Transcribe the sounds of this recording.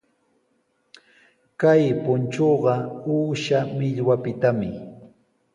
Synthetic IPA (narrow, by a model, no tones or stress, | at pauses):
kajpʊnt͡ʃoɢɑuːʃamɪʎwapɪt̪amɪ